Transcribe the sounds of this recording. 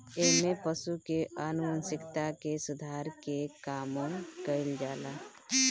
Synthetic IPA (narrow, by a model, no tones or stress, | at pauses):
emepəsukeanuənsɪkt̪akesud̪ʱaɾkekaːmõkəɪld͡ʒala